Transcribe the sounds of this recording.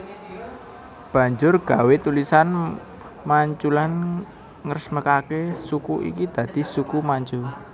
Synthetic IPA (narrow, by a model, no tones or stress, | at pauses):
b̥ä̤ɲd͡ʒʊrɡ̥a̤wet̪ulisan | maɲt͡ʃulan | ŋərsməkakesukuʔḭkid̪̥ä̤d̪̥i̤sukumaɲt͡ʃʊl